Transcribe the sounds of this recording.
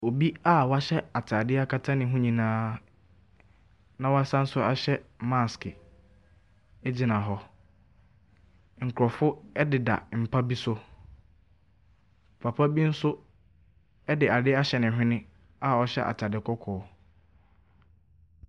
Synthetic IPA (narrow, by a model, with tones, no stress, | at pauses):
o˨bi˦a˦wɔ˨˦a˦ɕɛ˦a˨tʰa˨dɪ˦a˦kʰa˦tʰã˦nɪ̃˨˦ɦũ˦ɲĩ˨nãː˦ | nã˨wɔ˦a˦sa˦n̩˦sʊ˦a˦ɕɛ˦mã˦˨skɪ˨ | e˦d͡ʑi˨nã˨ɦɔ˦ | ŋ̩˨kʰʊ˨ɾɔ˨fʊ˦ɛ˦dɪ˨da̰˨m̩˨pʰa˦bi˦sʊ˦˨ | pʰa˨pʰa˦bi˦n̩˦sʊ˦ | ɛ˦dɪ˨a˨dɪ˦a˦ɕɛ˨nɪ̃˨ɦᶣɪ̃˦nɪ̃˦ | a˦˨wɔ˦ɕɛ̰˦ʔa̰˨tʰa˨dɪ˦kʰɔ˦kʰɔː˨˦